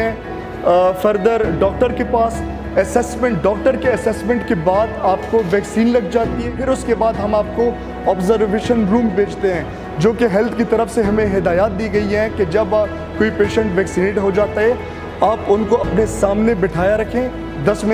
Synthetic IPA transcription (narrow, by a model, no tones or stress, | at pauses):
ɛ̃ | fɐɾd̪əɾɖɔːkʈəɾkepaːs | ɛsɛːsmɛ̃ɳʈɖɔːk̚ʈəɾkeɛsɛːsmɛ̃ːɳʈkebaːd̪aːpkoʋɛːksiːnlɐɡ̚d͡ʒaːt̪iɦɛ̃fʰɪɾʊskebaːd̪ɦɐmaːp̚ko | ɔːbzəɾʋeːʃənɾũːmbeːd͡ʒt̪eɦɛ̃ː | d͡ʒoːkeɦɛlt̪ʰkit̪ɐɾəfseɦɐmẽɦɪd̪aːjaːt̪̚d̪iːɡɐiɦɛ̃ked͡ʒɐb | koːipeːʃə̃ɳʈʋɛːksineːʈɦod͡ʒaːt̪aɦɛ | aːpʊnkoɐpnesaːmnebɪʈʰaːjaɾɐkʰẽː | d̪ɐsm